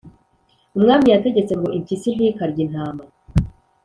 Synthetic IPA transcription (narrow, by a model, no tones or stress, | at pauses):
umŋaːmijate̞ɟe̞t͡se̞ŋɡo̞ʔiɲcisin̥ikaɾɟin̥haːmba